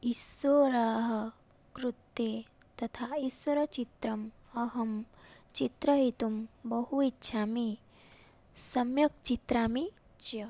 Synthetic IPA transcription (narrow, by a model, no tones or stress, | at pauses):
isʋoɾaːɦɐ̆ | kɾut̪ːeː | t̪ɐt̪ʰaːiswɐɾɐt͡ʃit̪ɾɐm | ɐɦɐm | t͡ʃit̪ɾɐɦit̪umbɐɦuitːʃʰaːmi | sɐmjɐk̚t͡ʃit̪ɾaːmi | t͡ʃjɐ